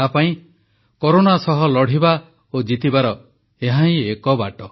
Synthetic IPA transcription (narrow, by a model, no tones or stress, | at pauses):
apaĩ | koɾonasɔɦɔlɔɽ̤iba | od͡ʒit̪ibaɾɔ | eɦãĩekɔbaʈɔ